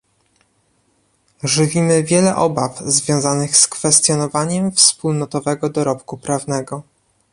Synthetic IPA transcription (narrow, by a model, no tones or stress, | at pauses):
ʐɘvʲimɘvʲjɛlɛʔɔbafzvʲjɔ̃w̃zanɘxskfɛst̪jɔnɔvaɲɛmfspulnɔt̪ɔvɛɡɔd̪ɔɾɔpkupɾavnɛɡɔ